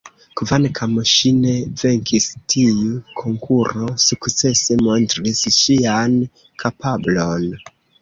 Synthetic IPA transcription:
kvankʰamoʃine̞ve̞ŋkʰistʰijukʰoŋkʰuɾosukt͡se̞se̞montɾisʃian | kʰapablo̞n

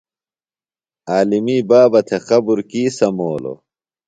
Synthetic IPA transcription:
aːlimiːbaːbɐt̪ʰexɐbuɾkiːsɐmoːlo̰

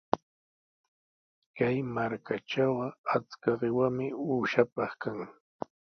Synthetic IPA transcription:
kajmaɾkaʈ͡ʂawɢɑat͡skaɢɪwamɪuːʃapɑχkaŋ

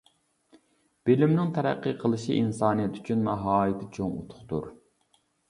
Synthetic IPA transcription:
b̥elɪmnɪŋt̪ʰɛɾæ̰qːɨqʰəlˠɨʃḭʔinsɑːnijɛt̪ʰy̥t͡ʃʰynmɑɦɑːit̪ʰɪt͡ʃʰoŋut̪ʰʊ̥χt̪ṵɾ

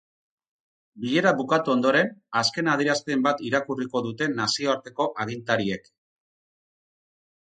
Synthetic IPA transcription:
biʎe̞ɾaβukat̪uo̞nd̪o̞ɾe̞naske̞nað̞iɾast̪e̞mbat̪iɾakuriko̞ðut̪e̞nasio̞aɾt̪e̞ko̞ʔaɣ̞int̪aɾie̞k

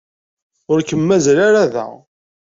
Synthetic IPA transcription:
ʊɾkəmːæzɾaɾaðæ̰

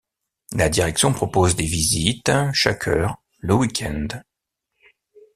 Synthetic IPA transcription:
lad̪iʁɛksjɔ̃pχɔpozd̪evizit̪ʃakʰœːʁ | ləwikʰʲɛ̃nd̪

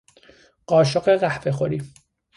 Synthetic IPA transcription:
ɢ̥ɒːʃoɣeɢæhve̞xoɾiː

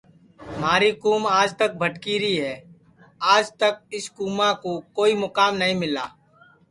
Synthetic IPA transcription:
maːɾikuːmaːd͡ʒt̪ək̚bʱəʈkiɾiɦɛː | aːd͡ʒt̪ək̚ɪskuːmãkokoːimʊkaːmnɐɦĩmɪla̰ː

